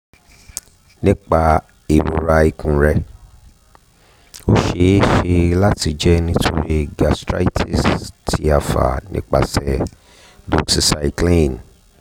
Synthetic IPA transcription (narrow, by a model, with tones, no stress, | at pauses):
nĩ˦k͡pa˧ | i˨ɾo˨ɾa˧i˧kũ˨ɾɛ˧ | o˦ʃe˧˦ʃe˧la˦ti˧d͡ʒɛ˦nĩ˦tʰo˧ɾi˦ɡa˨stɾa̰˦i˦tʰi˦˨stʰi˦a˧fa̰˨nḭ̃˦k͡pa̰˨sɛ˨ | do˨ksi˨sa˧i˧klĩ˦˨n